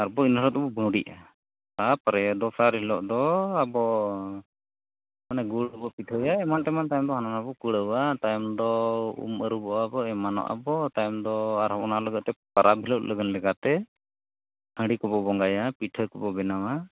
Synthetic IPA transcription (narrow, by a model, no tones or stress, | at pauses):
aɾbɔinɔɾɔt̪̚ɔbɔbə̃wɖiʔa | t̪apəɾɛjd̪ɔsaɾɦilɔʔd̪ɔabɔ | manaɡuɽəbɔpiʈʰɔjaɛmant̪ɛmant̪ajmd̪ɔɦananabɔkuɽəwat̪ajmd̪ɔṵməɾubɔʔaabɔɛmanɔ̰ʔa̰bɔt̪ajmd̪ɔaɾɦɔɔnaləɡəʔt̪ɛpaɾʔap̚ɦilɔʔ̚lʔəɡənlɛkat̪ɛ | hə̃ɽikɔbɔbɔŋɡajapiʈʰəjkɔbɔbɛnama